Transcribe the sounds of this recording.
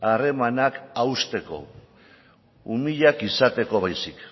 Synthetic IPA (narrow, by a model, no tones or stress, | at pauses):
are̞manakawst̪e̞ko̞̰ | umiʎakisat̪e̞ko̞βajsik